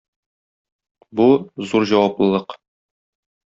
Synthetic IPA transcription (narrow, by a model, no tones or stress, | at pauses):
buzuɾʑɒwɑplˠɤ̆lˠɤq